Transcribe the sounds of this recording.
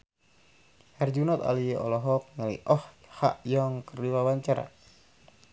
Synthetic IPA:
hɛrd͡ʒunɔt̪a̰liʔɔlɔɦɔk̚ŋalḭʔɔhha̰ʔjɔŋkəriwawaɲt͡ʃaɾa̰

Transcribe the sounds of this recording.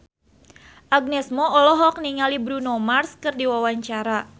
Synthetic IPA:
ʔaɡ̚nɛsmɔɔlɔɦɔk̚niŋalibɾunomarskɨrdiwawaɲt͡ʃaɾa

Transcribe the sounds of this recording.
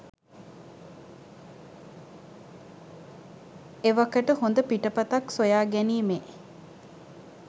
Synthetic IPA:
eʋɐkəʈəhond̪əpiʈəpɐt̪ɐksojaːɡæniːme

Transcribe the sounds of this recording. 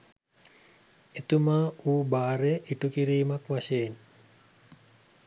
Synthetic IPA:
et̪umaːuːbaːɾeʔiʈukiɾiːmakʋaʃeːn

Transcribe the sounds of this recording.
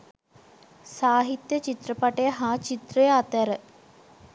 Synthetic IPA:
saːɦit̪jət͡ʃit̪rəpaʈəjəɦaːt͡ʃit̪rəjəat̪æɾə

